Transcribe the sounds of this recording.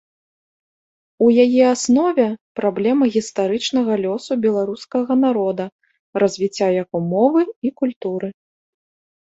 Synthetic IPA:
ujajɛasnɔvʲɛpɾablʲɛmɐɣʲist̪aɾɨt͡ʂnɐɣɐlʲɔsubʲɛlˠaɾuskɐɣɐnaɾɔd̪ɐ | rɐzʲvʲit͡sʲːajakumɔvɨikulʲt̪uɾɨ

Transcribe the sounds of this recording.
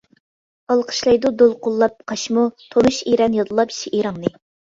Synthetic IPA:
ɑlˠqʰə̥ʃlˠɑjd̪ud̪olˠqʰʊlˠːɑp̚qʰɑʃmut̪ʰonuʃiɾɛnjɑd̪ɨlˠɑpi̥ʃiʔeɾɑŋnɨ

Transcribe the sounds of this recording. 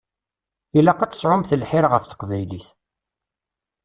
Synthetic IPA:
ilɑqːɑt͡s̪ə̥sʕʊmθəlħɪɾʁəfθə̥qvæjliθ

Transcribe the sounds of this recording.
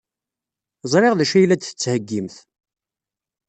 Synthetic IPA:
zˤɾeʁðæʃæjlæd̪θət͡sːhəɡːimθ

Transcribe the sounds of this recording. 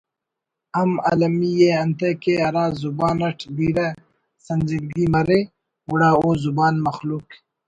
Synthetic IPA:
ɐmɐ̰lɐmijeɐnt̪ekeɐɾaːzubaːnɐʈʰd̪iːɾɐ | sɐnzilɡiːmɐɾe | uɽaːoːzubaːnmɐxluːk

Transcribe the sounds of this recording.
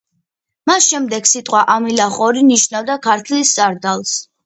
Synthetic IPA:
masʃɛmd̪ɛɡsit̪ʼqʼwaʔamilaχʼɔɾiniʃnavd̪akʰaɾt̪ʰlist̪sʼaɾd̪alˠs

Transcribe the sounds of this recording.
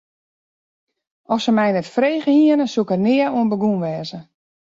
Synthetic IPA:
ɔfsəmɛjnɛtfreːɣəhiənəsukərnɪəuənbəɡunʋɛːzə

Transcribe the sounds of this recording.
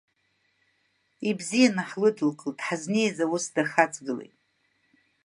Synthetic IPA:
ibzijanaħlɨdɨlkʼɨld̥ħazne̞jzawʊsdaχat͡sʰʼɡɨlḛjtʼ

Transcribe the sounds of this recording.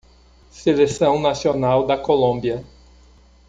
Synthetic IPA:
selesɐ̃w̃nasionawd̪ɐkolõbiɐ

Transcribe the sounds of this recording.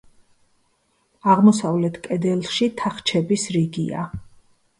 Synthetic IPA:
aʁmɔsavlɛt̪ʰkʼɛd̪ɛlˠʃit̪ʰaχt͡ʃʰɛbisɾiɡḭa̰

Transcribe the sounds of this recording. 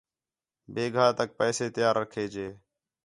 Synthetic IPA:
beːɡʱaːt̪ək̚pɛːseːt̪ɪjaːɾːəkʰeːd͡ʒeː

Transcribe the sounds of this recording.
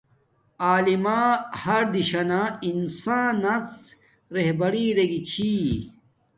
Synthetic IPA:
aːlimaːhɐɾd̪iɕɐnãinsaːnːɐ | ɾeɦbɐɾiːɾeɡit͡ɕʰi

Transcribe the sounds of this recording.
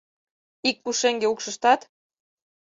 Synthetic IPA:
ik̚puʃeŋɡeukʃə̆ʃt̪ɑt̪

